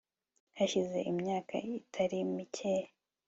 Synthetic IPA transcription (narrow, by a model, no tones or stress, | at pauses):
haçize̞̰ʔimɲaːkʰa̰itʰaɾimicʰe